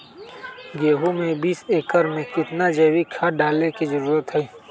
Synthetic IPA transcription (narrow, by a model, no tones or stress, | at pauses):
ɡeːɦomẽbiːseːkəɾmẽkɪt̪nad͡ʒeːwikʰaɖaːlnekizəɾuːɾət̪ɦɛː